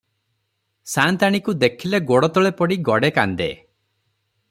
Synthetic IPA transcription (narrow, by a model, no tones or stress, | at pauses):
sant̪aɽ̃ikud̪ekʰileɡoɽɔt̪ɔɭepɔɽiɡɔɽeka̰nd̪ḛ